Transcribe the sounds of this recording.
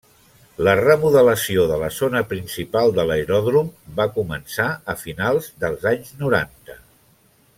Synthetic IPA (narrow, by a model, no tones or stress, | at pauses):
lərəmuðələsioðələzonəpɾinsipalˠd̪ələɾɔðɾumbakumənsaəfinalˠzðəlˠzaɲznuɾa̰nt̪ə